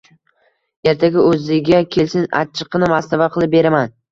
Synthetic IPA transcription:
e̞ɾt̪ʰaɡʲɪɵzɪɡʲakʲʰe̞lsɪna̰t͡ʃʰːɪ̥qʰːɨnɪmast̪avaqʰɨlˠɪp̚be̞ɾaman

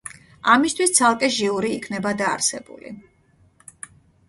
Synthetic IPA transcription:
amist̪ʰwist̪sʰalˠkʼɛʒiuɾiːkʰnɛbad̪a̰ːɾsɛbṵlḭ

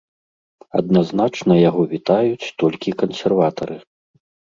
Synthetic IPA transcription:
ɐ̰d̪naznat͡ʂnɐjaɣɔvʲit̪ajut͡sʲt̪ɔlʲkʲikɐnsʲɛrvat̪ɐɾɨ

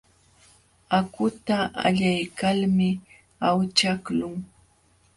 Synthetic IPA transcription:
akʊt̪aa̰ʎajkalmɪ | awt͡ʃaklʊŋ

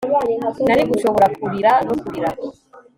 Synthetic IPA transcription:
nanikuʃɔβɔɾak̚uɾiɾanɔkuɾiɾa

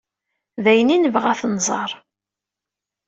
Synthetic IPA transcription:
ðæjəninəvʁæθnzˤɑɾˤ

